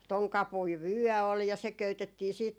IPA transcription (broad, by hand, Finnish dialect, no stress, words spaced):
toŋ kɑpui ʋyœˑ ol jɑ se køytetːiː siːt